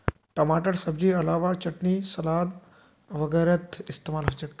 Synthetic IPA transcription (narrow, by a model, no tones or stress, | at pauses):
ʈɐmaːʈəɾsɐbd͡ʑiːɐlaːʋaːt͡ɕɐʈniːsɐlaːd̪ | ʋɐɡəɾɐt̪ist̪eːmaːlɦot͡ʃɐkː